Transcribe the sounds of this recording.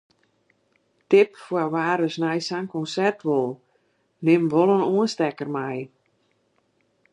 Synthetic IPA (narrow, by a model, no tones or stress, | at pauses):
tɪpfwaʋaːɾəsnajsaŋkɔnsɛrtʋolˠ | nɪmʋolˠənoənstɛkərmaj